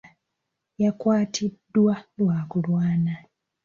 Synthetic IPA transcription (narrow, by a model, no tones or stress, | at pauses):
jakwaːtʰidːwalwaːkulwaːna